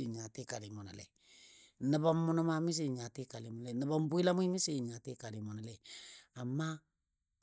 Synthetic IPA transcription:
ɲa˨ti˦ka˨li˨mo˨na˨lɛ̰˨ | nə˨ba˦mːʊ˦no˦ma˦mi˦s̬i˨ɲa˨ti˦ka˨li˨mo˨˦lɛ˨nə˨ba˦m˦bu˦i˦la˦m˦i˦mi˦si˦˨ɲa˨te˦ka˨ɾi˨mo˨na˨lɛ˨a˨mːa˦

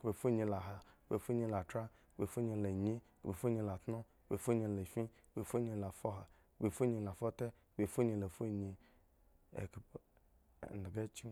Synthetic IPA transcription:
be˨fo˦ɲĩ˧la˨ɦa˨be˨fo˦ɲĩ˧la˨tɾa˦˨ | be˨fo˦ɲĩ˧le˨ɲĩ˦˨be˨fo˦ɲĩ˧la˨t̪nɔ̃˦˨be˨fo˦ɲĩ˨le˨fĩ˦ | be˨fo˦ɲĩ˧la˨fɔ˦ɦa˨ | be˨fo˦ɲĩ˧la˨fɔ˦t̪ɛ˦˨be˨fo˦ɲĩ˨˧le˨fo˦ɲĩ˨ | ḛ˨k | ne˨ɡe˦t͡ʃi˦

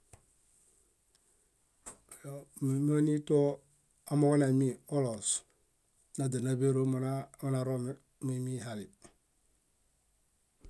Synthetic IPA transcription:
jm˨m˦o˦ni˦to˦ | a˨mo˦ko˦na˨mi˦o˦lo˨s | na˨da˨na˦be˦ɾo˦m˦na˨ɾo˦ | me˨mi˦ɦa˨li˨

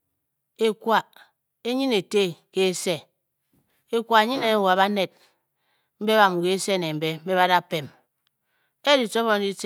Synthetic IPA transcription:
e˨kwa˨ | e˦ɲi˦ne˨te˦ke˦e˦se˦˨ | e˨kʷa˨e˨ɲi˦ne˨˦wa˨βa˦ne˨d̚ | m̩˦be˦βa˨m˨ke˦se˦˨ne˨m̩˨be˦m̩˦be˦βa˦da˦˨pe˨m | e˦di˨to˦βɔ˦n˦i˦t

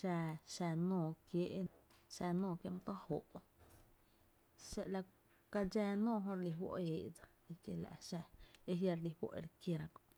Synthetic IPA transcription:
ʃa˧ʃa˧nõː˧˨kje˦ʔ | ʃa˧nõː˧˨kje˧m˧t̪o˦ho̰˨ʔ | ʃe˧ʔla˧ | ka˧d͡ʒɛː˦˧nõː˦˧ɦõ˧ɾli˧ɦwo̰˧ʔeː˨ʔd͡za˧ | e˧kje˧la̰˨ʔʃa˧e˧ɦja˧ɾli˧hwo̰˧˨ʔḛ˧ɾke˧ɾã˧ko˧ʔ

